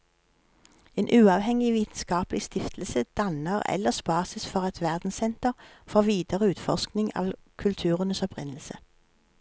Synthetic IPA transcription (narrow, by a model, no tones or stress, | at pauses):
eːnʔʉːɑːʋhɛŋɪʋiːt̪n̩skɑːplɪst̪ɪft̪ʰl̩səd̪̥ɑnəʁɛ̰ləʁsbɑːsəsfɔʁɛt̪ʋæʁd̪n̩sɛnt̪əʁfɔʁʋiːd̪əʁəʉːt̪fɔsknɪŋɑ̰ːʋkʰʉlt̪ʰʉːʁənəsɔpʁɪ̰nl̩sə̰